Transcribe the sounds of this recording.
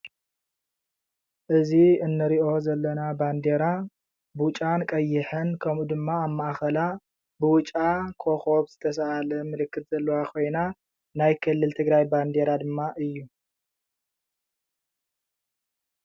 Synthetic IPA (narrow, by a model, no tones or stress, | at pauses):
ʔɨziɨnːɨɾiʔo̞zɐlːɐnaband̪eɾa | bʊt͡ʃʼankʼɐjːɪħɨnkʰɐmud̪ɨmːaːmːaʔxɐla | bɨwʊt͡ʃʼakʰo̞xo̞bz̥ɨt̪ʰɐs̬aalɐmɨlɨkːɨt̪z̥ɐlːɐwakʰo̞jna | najkʰɨlːɨlt̪ʰɨɡɾajband̪eɾad̪ɨmːaʔɨjːu